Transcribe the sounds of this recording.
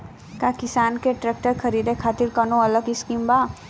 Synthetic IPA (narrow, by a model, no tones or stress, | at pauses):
kakɪsaːnkeʈɾɛːk̚ʈəɾkʰɐɾiːd̪ekʰaːt̪ɪɾkɐnõɐləɡɪskiːmbaː